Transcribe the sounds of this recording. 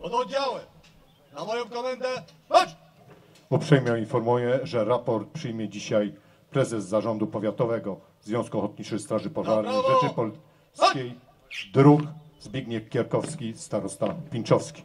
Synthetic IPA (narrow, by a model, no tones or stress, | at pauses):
d̪ɔd͡ʑawɛ | namɔjɔ̃w̃kɔmɛnd̪ɛ | upʂɛjmʲjainfɔɾmujɛʐɛɾapɔɾt̪̚pʂɘjmʲjɛd͡ʑiɕaj | pɾɛzɛzːaʐɔnd̪upɔvʲjat̪ɔvɛɡɔ | zvjɔ̃w̃skuɔxɔt̪̚ɲit͡ʂɘst̪ɾaʐɘpɔʐaɾnɛtɘpɔl | skʲej | d̪ɾukzbʲjeɡɲɛkkʲːɛɾkɔfskʲist̪aɾɔst̪afpʲint͡ʂɔfskʲi̥